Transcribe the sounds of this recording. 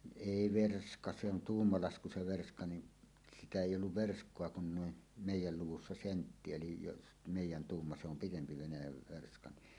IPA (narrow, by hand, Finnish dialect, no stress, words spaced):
eˑi ʋerskɑ se on tuːmːɑlɑsku se ʋerskɑ nin sitæ eˑijˑ olːuʋ ʋerskˑoɑ kun nuin meˑijˑæl luwusːɑ sentːi elij jos meˑijˑæn tuːmːɑ se om pitempi ʋenæjæʋ ʋerskɑ ni